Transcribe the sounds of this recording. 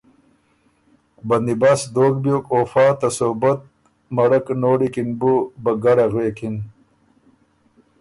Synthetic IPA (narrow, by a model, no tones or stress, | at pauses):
bɐnd̪ibasd̪oːk̚bjoːkoːfaːt̪ɐsobɐt̪̚ | mɐɽɐknoːɽikinbubɐɡaɽaɣwekʰin